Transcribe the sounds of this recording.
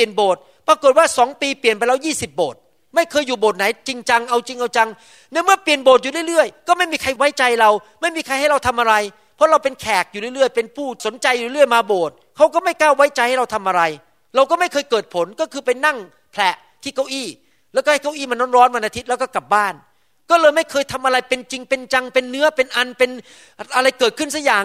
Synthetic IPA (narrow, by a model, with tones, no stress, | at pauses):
i˨˩ənboː˨˩t̪̚ | pɾaː˧ko˨˩t̪̚waː˥˩sɔː˩˦ŋpiː˧pli˨˩ənpa˧jɾa˧wjiː˥˩si˨˩p̚boː˨˩t̪̚ | ma˥˩jkʰɤː˧jːuː˨˩boː˨˩t̪̚na˨˩˦jt͡ɕi˧ŋt͡ɕa˧ŋʔa˧wt͡ɕi˧ŋʔa˧wt͡ɕa˧ŋ | nɛ˦˥mɯ˥˩pi˨˩ənboː˨˩t̪̚u˨˩ɾɯ˥˩˨ɾɯ˥˩əjkɔː˥˩ma˥˩jmiː˧kʰa˧jwa˦˥jt͡ɕa˧jɾa˧wma˥˩jmiː˧kʰa˧jha˥˩jɾa˧wt̪ʰa˧mʔa˧ɾa˧j | pʰɔ˦˥ɾa˧wpe˧nkʰɛː˨˩k̚juː˨˩ɾɯ˥˩˨ɾɯ˥˩əjpe˧npʰuː˥˩so˩˦nt͡ɕa˧juː˨˩i˦˥˩ɯ˥˩əjmaː˧boː˨˩t̪̚kʰa˦˥wkɔː˥˩ma˥˩jkaː˥˩wːa˦˥jt͡ɕa˧jha˥˩jɾa˧wt̪ʰa˧mʔa˧ɾa˧j | ɾa˧wkɔː˥˩ma˥˩jkʰɤː˧jkɤː˨˩t̪̚pʰo˩˦nkɔː˥˩kʰɯː˧pa˧jna˥˩ŋ | pʰlɛ˨˩ʔ | t̪ʰiː˥˩kʰa˦˥˩wʔiː˥˩ | lɛ˦˥˩kɔ˥˩a˥˩ka˥˩wʔiː˥˩ma˧nːɔː˦˥nɾɔː˦˥nwa˧nʔa˧t̪ʰi˦˥t̪̚lɛ˦˥kɔː˥˩ka˨˩p̚baː˥˩n | kɔː˥˩lɤː˧jma˥˩jkʰɤː˧jt̪ʰa˧mʔa˧ɾa˧jpe˧nt͡ɕi˧ŋpe˧nt͡ɕa˧ŋpe˧nːɯ˦˥ɐpe˧nʔa˧npe˧n | ʔa˧ɾa˧jkɤː˨˩t̪̚kʰɯ˥˩nsaː˧˥˩jaː˨˩